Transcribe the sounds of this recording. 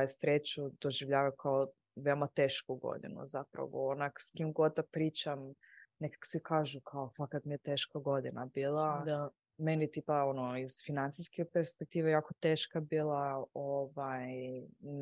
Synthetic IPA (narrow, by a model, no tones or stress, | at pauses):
ajsɾeːt͡ɕud̪̥o̞ʒiʋʎaːʋajkʰao | ʋeomat̪eːʃkuɡo̰d̪ḭnṵzapɾa̰ʋo̰onakskimɡo̞d̪̚d̪apɾiːt͡ɕam | nekḁko̥sʋikaːʒukʰaofakat̪mijet̪eːʃkaɡo̞d̪inabiːlˠad̪a | menit̪iːpaonoiz̥finant̪sijskepeɾspek̚t̪iːʋejaːkot̪eːʃkabiːlˠaoʋajn